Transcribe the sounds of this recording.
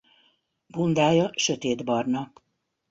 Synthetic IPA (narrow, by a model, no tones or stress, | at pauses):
bund̪aːjɒʃøt̪eːd̪bɒrnɒ